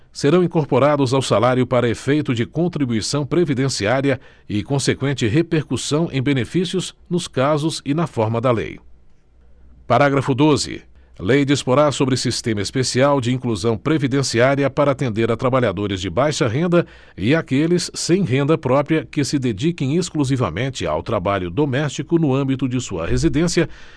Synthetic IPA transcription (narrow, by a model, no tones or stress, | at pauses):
seɾɐ̃w̃ĩŋkoɾpoɾad̪ʊzawsalaɾjʊpaɾɐefejt̪ʊd͡ʒɪkõnt̪ɾibuisɐ̃w̃pɾevid̪ẽsiaɾiɐ | ɪkõsekwẽnt͡ʃɪɦepeɾkusɐ̃w̃ʔḛ̃j̃benefisjʊznʊskazʊzɪnɐfɔɾmɐd̪ɐlḛj | paɾaɡɾɐfʊd̪ozɪ̰ | lejd͡ʒispoɾaɾsobɾɪsist̪ẽmɐespesiawd͡ʒɪĩkluzɐ̃w̃pɾevid̪ẽsiaɾiɐpaɾɐːt̪ẽnd̪eɾɐt̪ɾabaʎad̪oɾɪzd͡ʒɪbajʃɐɦẽnd̪ɐ | ɪakelɪsːẽj̃ɦẽnd̪ɐpɾɔpɾiɐkɪsɪd̪ed͡ʒikẽj̃eskluzivɐ̰mẽnt͡ʃɪa̰wt̪ɾabaʎʊd̪omɛst͡ʃikʊnʊɐ̃mbit̪ʊd͡ʒɪsuɐ̰hezid̪ẽsiɐ